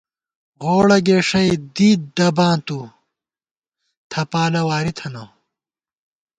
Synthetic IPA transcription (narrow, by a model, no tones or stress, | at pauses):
ɣoːɽɐɡeːʂɐjd̪iːd̪̚d̪ɐbãːt̪u | t̪ʰɐpaːlɐwaːɾit̪ʰɐno